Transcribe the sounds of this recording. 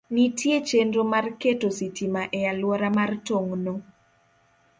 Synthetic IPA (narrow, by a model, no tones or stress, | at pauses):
nitjet͡ʃendomarketositimaʔɛjalwɔɾamartoŋno